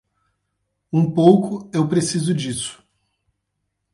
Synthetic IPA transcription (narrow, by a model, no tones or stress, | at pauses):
ũpowkʊewpɾesizʊd͡ʒisʊ̥